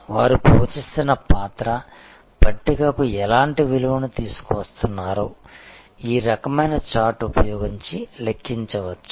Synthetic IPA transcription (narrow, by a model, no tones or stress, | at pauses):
ʋaːɾupoːt͡ʃisinɐpaːt̪ɾɐ | b̥ɐʈːikɐkuɛlaːɳʈiʋiluʋɐnut̪iːsu̥kuʋɐst̪unːaːɾoː | iːɾɐkɐmɐjnɐt͡ʃaːʈupɐjoːɡiɲt͡ʃilekʰːiɲt͡ʃɐʋɐt͡ʃːu̥